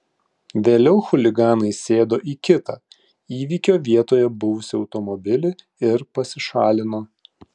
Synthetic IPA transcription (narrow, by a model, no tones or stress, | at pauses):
ʋʲeːlʲɛʊxʊlʲɪɡɑːnɐɪsʲeːd̪oːʔiːkʲɪt̪ɑː | iːʋʲiːkʲoːʋʲiɛt̪oːjɛbʊʋʊsʲɪɒʊt̪ɔmɔbʲɪlʲɪ | ɪɾpɐsʲɪʃɑːlʲɪnoː